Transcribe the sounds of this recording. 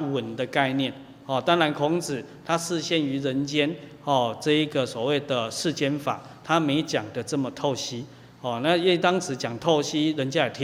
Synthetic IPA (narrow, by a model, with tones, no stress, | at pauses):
wə˨˩nd̪ə˨ka˥˧ɪnjɛ˥˨n | hɔ˥˨˩t̪a˦˥ŋɻa˧˦nkʰʊ˧˥ŋt͡s̩˨˩ | t̪ʰa˦ʂɹ̩˥˧ɕjɛ˥˩ny˧˥ɻə˧˦nt͡ɕjɛ˦nhɔ˥˩t͡sɤ˥˧i˦ɡə˨swɔ˨˩we˥˩ɪd̪ə˩ʂɻ̩˥˧t͡ɕjɛ˥nfa̰˨˩ | t̪ʰa˦mẽ˨˧˦ɪt͡ɕja˨˩ŋd̪ə˦t͡sə˥˨mə˨t̪ʰo˥˩ʊɕi˦˥ | hɔ˥˩na˥˨ji˥˩t̪a˥ŋʂɻ̩˨˦t͡ɕjɑ˨˩ŋt̪ʰo˥˩ʊɕi˦ɻə˧˦nt͡ɕja˥˨˩t̪ʰ